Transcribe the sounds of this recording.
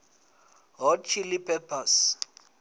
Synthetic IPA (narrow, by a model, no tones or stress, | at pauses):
ɦɔt͡ʃʰilipʰɛpʰas